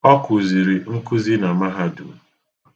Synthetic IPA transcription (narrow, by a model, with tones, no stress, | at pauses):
ɔ˦kʊ˨zi˨ɾi˨ŋ̩˦kʊ˦zi˦na˨ma˦ɦa˦dṵ˨